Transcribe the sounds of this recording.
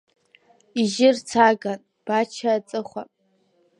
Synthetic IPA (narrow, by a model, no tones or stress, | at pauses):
iʒɪrt͡sʰaːɡan | b̥at͡ʃʰaːt͡sʼɨχʷa